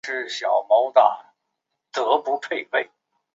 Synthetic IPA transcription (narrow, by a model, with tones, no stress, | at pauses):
ʂɻ̩˥˩ɕjɑ˨˩ʊmo˧˥ʊt̪a̰˨˩ | t̪ɤ˧˥pu˧˥pʰe˥˧ɪpe˥˩ɪ